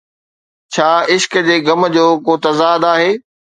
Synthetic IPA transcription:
t͡ɕʰaːɪʃkd͡ʑeːɡɐmd͡ʑoːkoːt̪ɐzaːd̪aːɦeː

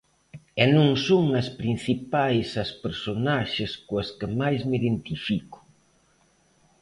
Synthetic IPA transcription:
ɛnõŋsoŋɐspɾin̟θipajsɐspeɾsonaʃɪskoɐskɪmajsmiðent̪ifikʊ̥

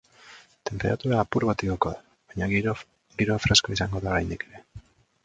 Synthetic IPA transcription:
t̪e̞mpe̞ɾat̪uɾaːpuɾβat̪ikokoða | βajɲa | ɡiɾo̞fɾe̞sko̞isaŋɡo̞ðaoɾajnd̪ike̞ɾe̞

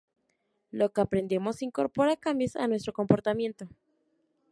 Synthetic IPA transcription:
lo̞keapɾe̞nd̪emo̞siŋko̞ɾpo̞ɾakambjosa̰nwe̞s̬t̪ɾo̞ko̞mpo̞ɾt̪amje̞nt̪o̞

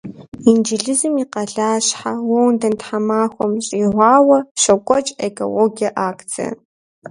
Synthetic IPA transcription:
ind͡ʒɪɮɨzɨmiqɐɮaːɕħawɐwndɐntħamaːxʷɔmɕʼiːʁʷɑːwɐɕɐkʷʼɔt͡ʃʼḛkʼo̰loːɡiɐʔaːkʼt͡sʰʼḭ

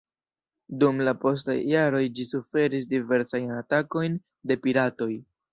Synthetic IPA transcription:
dumlapo̞s̬ta̰jːaɾo̞jd͡ʒisufe̞ɾis̬dive̞ɾsajnatako̞jn | de̞piɾato̞j

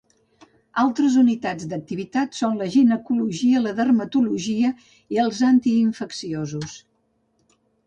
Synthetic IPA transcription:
alˠt̪ɾəzunit̪ad͡zd̪ək̚t̪iβ̞it̪at̪sonləʒinəkuluʒiələðərmət̪uluʒiə | iəlˠzant̪iːɱfəksiozus

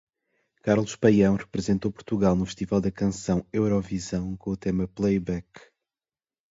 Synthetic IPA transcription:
kaɾlˠuʃpɐjɐ̃w̃ʁɨpɾɨzẽnt̪opuɾt̪uɣalˠnufɨʃt̪ivalˠd̪ɐkɐ̃sɐ̃w̃ewɾɔvizɐ̃w̃kõut̪emɐplˠɐjβɛk

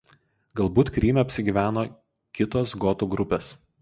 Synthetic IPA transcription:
ɡɐlˠbuːt̪kɾʲiːmʲɛɐpʲsʲɪɡʲiːʋʲæːnoː | kʲɪt̪oːsɡɔt̪uɡɾʊpʲeːs

